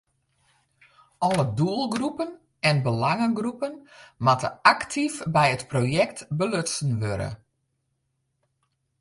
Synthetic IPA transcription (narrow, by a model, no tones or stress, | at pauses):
ɔləduəlˠɡrupən | ɛnbəlaŋəɡrupənmatə̰aktʰifbɛjətprojɛktbəløsn̩ʋøɾə̰